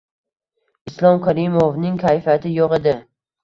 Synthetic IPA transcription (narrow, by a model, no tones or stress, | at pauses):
ɪslˠɒmkʲʰaɾɪmovnɪŋkʲʰajfat̪ʰɪjɒʁed̪ɪ